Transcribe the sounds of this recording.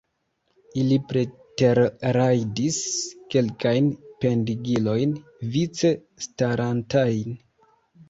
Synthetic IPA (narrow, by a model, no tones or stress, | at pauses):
ilipɾete̞ɾɾajdiske̞lkajnpe̞ndiɡilo̞jn | vit͡se | staɾantajn